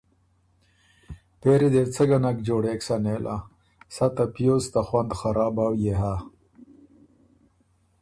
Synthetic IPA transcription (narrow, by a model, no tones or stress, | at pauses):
peɾid̪et͡səɡanakd͡ʒoːɽeːksaneːlʔa̰ | sat̪apijost̪axwand̪xaɾɑːbaːwjeɦa